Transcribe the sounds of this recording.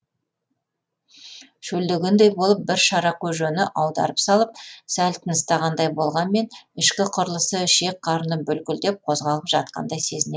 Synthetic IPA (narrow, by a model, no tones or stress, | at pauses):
ʃɵld̪ɪɡʲɪnd̪ejbo̞lˠəp̚bɪɾʃɑɾɑqʲʰɵʒɵnɪʔɑwd̪ɑ̰ɾəpsɑlˠəp̚sælt̪ʰənəst̪ɑʁɑnd̪ɑjbo̞lˠʁɑnme̞nɪʃkʲɪqʰʊɾlˠəsəʃe̞k̚qʰɑɾənəbɵlkʲɪld̪e̞p̚qʰo̞zʁɑlˠəpʒ̥ɑt̪̚qɑ̰nd̪ɑjse̞zɪne